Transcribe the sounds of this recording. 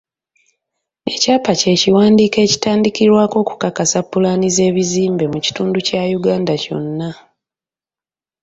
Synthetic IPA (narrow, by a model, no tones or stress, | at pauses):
e̞caːpace̞ːciwaːndiːke̞ːci̥taːndikiɾwaːko̞ːku̥kakasapːulanize̞ːβiziːmbe̞muci̥tuːnducajuɡaːndaco̞̰nːa